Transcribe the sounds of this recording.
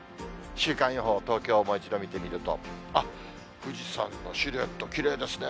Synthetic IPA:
ɕɨːkãɰ̃joɦo̞ːt̪o̞ːkʲo̞ːmo̞it͡ɕid̪o̞mʲit̪e̞mʲiɾɯ̟t̪o̞̰a | ɸɯ̟d͡ʑisã̰nːo̰ɕiɾe̞t̪ːo̞kʲiɾe̞ːd̪e̞sɨne

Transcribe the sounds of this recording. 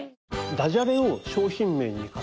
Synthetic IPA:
d̪aʑaɾẽoɕoːçĩmːe̞ɲːika

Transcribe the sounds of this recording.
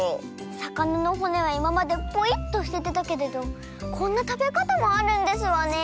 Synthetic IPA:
sakanano̞ɦo̞ne̞βaimamad̪e̞po̞it̪ːo̞ɕi̥t̪e̞t̪et̪ake̞ɾe̞d̪o̞ | kʰõ̞nːat̪abe̞kat̪amo̞aɾɯ̟̃nd̪e̞sɨβane̞

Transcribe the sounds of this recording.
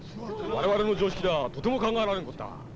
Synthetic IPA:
waɾemaɾɯnod͡ʑoɕi̥k͈ʰidatotʰɯmɯkaŋanɦanɯnɡʌt̚t͈a̰

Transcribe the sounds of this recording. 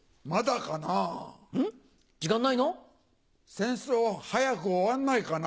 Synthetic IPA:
mad̪akanaɯ̃ | d͡ʑiɡãnːaino | sẽ̞ɰ̃soːhajakɯ̟oβanːaikan

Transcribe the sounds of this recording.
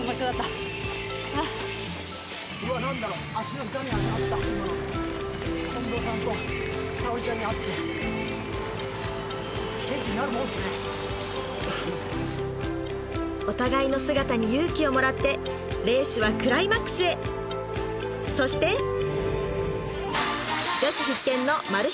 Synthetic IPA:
moɕod̪at̪ːa | a | koβanãnd̪aɾo | aɕinoɯt̪amʲiaɲiat̪ːa | hõnd̪o̞ːsãnt̪osaoʑiaɲ̟iat̪ːe | kẽ̞ŋkʲiɲinaɾɯ̟mõsna | o̞t̪aɡaino̞sɨɡat̪aɲ̟ijɯ̟ːkʲio̞mo̞ɾat̪ːe̞ | ɾe̞ːɕɨβakɯ̟ɾaimakɯ̥sɨe̞ | so̞ɕi̥t̪e̞ | d͡ʑaɕiçikːẽ̞nːo̞maɾɯ̟

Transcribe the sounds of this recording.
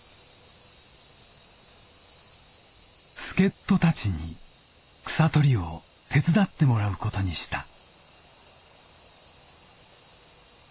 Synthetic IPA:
sɨ̥ke̞t̪ːo̞t̪at͡ɕiɲḭ | kɯ̟̥sat̪o̞ɾʲio̞ | t̪ʰe̞t͡sɨd̪at̪ːe̞mo̞ɾaɯ̟ko̞t̪o̞ɲ̟iɕi̥t̪a

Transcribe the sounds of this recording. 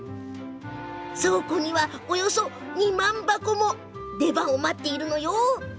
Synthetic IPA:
sokoɲ̟iβaojo̞so̞ | ɲ̟imãmbakomo | d̪e̞bãɰ̃omat̪ːe̞iɾɯ̟no̞joː

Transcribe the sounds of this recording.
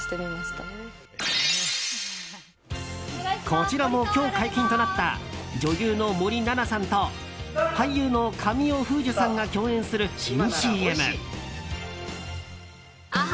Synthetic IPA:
t̪emʲimaɕt̪ | kʰo̞t͡ɕiɾamo̞kʲo̞ːkaikʲĩnt̪o̞nat̪ːa̰d͡ʑo̞jʲɯːno̞mo̞ɾʲinanasãnt̪o̞ | haijɯːno̞kʰamʲioɸɯ̟ːd͡ʑʑɨsãŋɡakʲo̞ːẽ̞ɰ̃sɨɾɯ̟ɕĩɰ̃ɕiːe̞mɯ̰

